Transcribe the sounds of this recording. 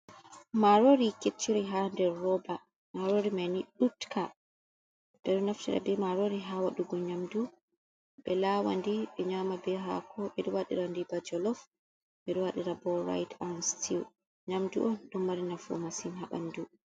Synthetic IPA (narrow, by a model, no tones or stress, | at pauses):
maɾoɾiket͡ʃːiɾiɦandɛɾːɔba | maɾoɾimaniɗutkʰa | ɓ̥ɛɗɔnaftɛɾa̰bɛmaɾoɾiɦawaɗuɡɔɲamdu | ɓɛlaːwa̰ndiɓɛɲamabɛɦa̰kʰɔɓɛɗɛwaɗḭɾandibad͡ʒɔlɔf | ɓɛɗɛwaɗiɾabɔɾa̰jtʰanstʰiw | ɲamdṵʔɔnɗumːaɾinafɔ̰masinɦaɓa̰ndu